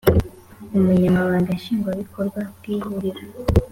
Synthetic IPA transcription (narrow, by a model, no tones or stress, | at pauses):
umuɲamaβaːŋɡaʃiːŋɡwaβikʰoɾɡwabɡ̥iːhuɾiɾa